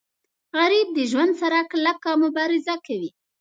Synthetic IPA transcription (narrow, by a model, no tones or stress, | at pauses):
ɣaɾib̚d̪əʒwand̪saɾaklakɑmʊbɑɾɪzakawi